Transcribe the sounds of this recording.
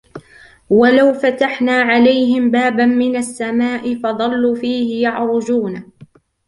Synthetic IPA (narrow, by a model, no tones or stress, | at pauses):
walawfat̪aħnaːʕalajɦɪmbaːbanmɪnasːamaːʔɪfɑðˤɑlːuːfiːhɪjɑʕɾˤʊd͡ʒuːna